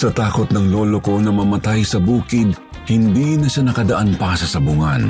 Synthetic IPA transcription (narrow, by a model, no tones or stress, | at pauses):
sɐt̪aːko̞t̪̚nɐŋlo̞ːloko̞nɐmɐmɐt̪ajsɐbuːkɪd̪̚ | hɪnd̪iːnɐʃanɐkɐd̪ɐʔanpɐsɐsɐbʊŋɐn